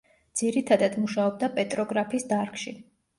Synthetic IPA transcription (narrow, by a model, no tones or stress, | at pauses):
d̪̥z̥iɾit̪ʰad̪ad̪muʃaɔb̚d̪apʼɛt̪ʼɾɔɡɾapʰiːsd̪aɾkʰʼʃi